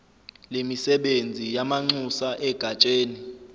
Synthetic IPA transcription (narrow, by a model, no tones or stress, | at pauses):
lemisɛɓend͡zʱijamaŋ͡ǀusaʔɛɡ̥ʱat͡ʃʼeːni